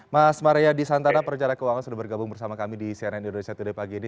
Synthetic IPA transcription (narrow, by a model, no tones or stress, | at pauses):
masmaɾejadisant̪anapərt͡ʃaɾakəuwaŋansudahbərɡabʊŋbərsamakamidisiananindonesiat̪udapaɡini